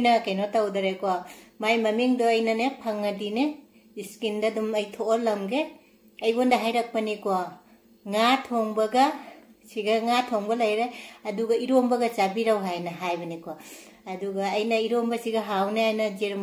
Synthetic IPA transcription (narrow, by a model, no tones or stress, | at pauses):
nɐkɐjnotawdɐɾekomajmɐmiŋdoɐjnɐnepʰaŋːɐdine | iskindɐdumɐjtʰoɾlɐmɡe | ɐjbondɐɦajɾɐk̚pɐniko | ŋatʰoŋbɐɡɐsiɡɐŋatʰoŋbɐlɐjɾejɐduɡɐiɾombɐɡɐt͡ʃabiɾɐwɦajnɐɦajbɐniko | ɐduɡɐːjnɐiɾombɐsiɡɐɦawneajnɐd͡ʒeɾm